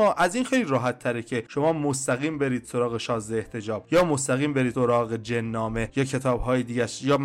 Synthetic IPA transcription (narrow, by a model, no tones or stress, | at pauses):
ɒːʔæziːnxejliːɾɒːɦæt̪ʰːæɾecʰe̞ʃo̞mɒːmost̪æɣiːmbe̞ɾiːd̪̥so̞ɾɒːɣeʃɒːzeːht̪ʰe̞d͡ʒɒːb̥̚jɒːmost̪æɣiːmbe̞ɾiːsoɾɒːɣed͡ʒenːɒːme̞jɒːcʰe̞t̪ʰɒːbɦɒːjed̪iːɟæʃjɒːm